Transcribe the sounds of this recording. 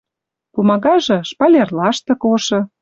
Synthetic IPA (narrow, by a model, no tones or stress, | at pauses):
kumɑɣɑʒɤ̆ʃpɑlʲerlɑʃt̪ɤ̆koʃɤ̆